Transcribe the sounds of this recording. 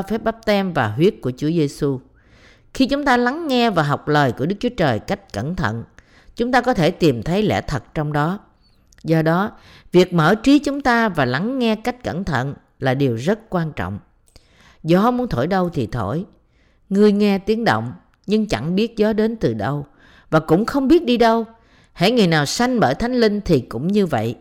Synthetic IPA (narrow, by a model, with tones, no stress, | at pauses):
fɛ˦˥p̚ɓa˦˥p̚t̪ɛ˧mvaː˨˩ɦwi˦˥ət̚ku˧˩ət͡ɕu˨˦əze˧su˧ | xi˧t͡ɕʊ˨˦ŋ͡mt̪aː˧la˨˦ŋːɛ˧vaː˨˩ɦa˨˩wk͡p̚ləː˨˩jku˧˩əɗɨ˦˥k̚t͡ɕu˨˦t͡ɕəː˨˩jka˦˥jk̟̚kə˧˩nt̪ʰə̰˧˨n | t͡ɕʊ˨˦ŋ͡mt̪aː˧kɔ˨˦t̪ʰe˧˩t̪i˨˩mt̪ʰə˨˦jlɛ̰˧˩t̪ʰə˨˩t̚t͡ɕɔ˧wŋ͡mɗɔ˨˦ | zɔ˧ɗɔ˨˦ | vi˨˩ək̚məː˧˩t͡ɕi˨˦t͡ɕʊ˨˦ŋ͡mt̪aː˧vaː˨˩la˨˦ŋːɛ˧ka˦˥jk̟̚kə˧˩nt̪ʰə̰˧˨n | laː˨˩ɗi˨˩əwzə˦˥t̚kwaː˧nt͡ɕɔ̰˧˨wŋ͡m | zɔ˨˦mu˨˦ənt̪ʰo˧˩jɗə˧wt̪ʰi˨˩t̪ʰo˧˩˨j | ŋɨ˧əjŋɛ˧t̪i˨˦əŋɗo̰˧˨wŋ͡m | ɲɨ˧ŋt͡ɕa˧˩ŋɓi˦˥ət̚zɔ˨˦ɗe˨˦nt̪ɨ˨˩ɗə˧w | vaː˨˩kʊ̰˧˥ŋ͡mxə˧wŋ͡mɓi˦˥ət̚ɗi˧ɗə˧w | hḛ˧˥˩ŋɨ˨˩jnaː˨˩wsa˧jŋ̟ɓəː˧˩jt̪ʰa˨˦jŋ̟li˧ŋ̟t̪ʰi˨˩kʊ̰˧˥ŋ͡mɲɨ˧və̰˧˨jʔ